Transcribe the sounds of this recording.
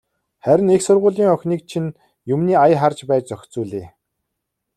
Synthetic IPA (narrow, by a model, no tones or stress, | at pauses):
χæɾʲɪ̆neksʊrʁʊːɮiːŋœxʲniːk̚t͡ɕʰin | jɵmniːajχart͡ɕpæːt͡ɕt͡sœxʲt͡suːɮeː